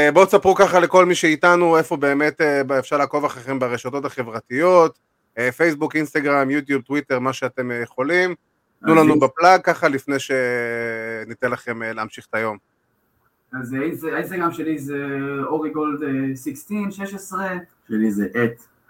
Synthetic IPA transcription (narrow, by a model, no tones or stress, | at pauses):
bo̞t͡sapʁukaχale̞ko̞lmiʃe̞itanue̞fo̞be̞ːme̞tebefʃaʁlaːko̞vaχeχembaʁeʃoto̞taχe̞vʁatijo̞t | efe̞jsbukinst̪aɡʁamjut̬jub̚t̪witeʁmaʃeate̞mjeχo̞lim | t̪nulanubeplaɡ̚kaχalifne̞jʃe̞ | nit̪enlaχe̞meleamʃiχt̪ajo̞m | azinsainstaɡʁamʃelizeoʁiɡoldesikstinʃeʃesʁeʃelizeʔet̪